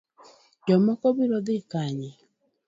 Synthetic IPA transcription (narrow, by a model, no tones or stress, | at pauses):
d͡ʒɔmɔkɔβiɾɔðekaɲi